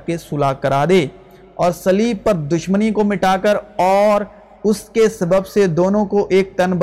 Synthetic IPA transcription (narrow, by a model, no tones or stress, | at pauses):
kesʊlaːkɐɾaːd̪eː | ɔːɾsɐliːbpɐɾd̪ʊʃmənikomɪʈaːkəɾɔːɾ | ʊskesɐbəbsed̪oːnõkoʔeːk̚t̪ɐnb